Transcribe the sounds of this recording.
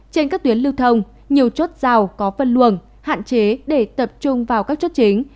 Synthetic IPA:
t͡ɕe˧nkaː˦˥k̚t̪wi˨˦əlɨ˧wt̪ʰə˧wŋ͡m | ɲi˨˩əwt͡ɕo˦˥t̚z̥aː˨˩wkɔ˨˦fə˧˨nlu˧˩ən | ha̰ː˧˨nt͡ɕe˨˦ɗe˧˩t̪ə˨˩p̚t͡ɕʊ˧ŋ͡mvaː˨˩wkaː˦˥k̚t͡ɕo˦˥t̚t͡ɕï˨˦ŋ̟

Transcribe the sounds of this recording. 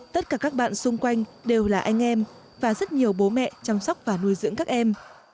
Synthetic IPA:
t̪ə˦˥t̚kaː˧˩kaː˦˥k̚ɓa̰ː˧˨nsʊ˧ŋ͡mkwa˧jŋ̟ɗe˨˩wlaː˨˩ʔa˧jŋ̟ʔɛ˧m | vaː˨˩zə˦˥t̚ɲi˨˩əwɓo˨˦mɛ̰˧˨t͡ɕa˧msa˦˥k͡p̚vaː˨˩nu˧əjzɨ̰˧˥əŋkaː˦˥k̚ʔɛ˧m

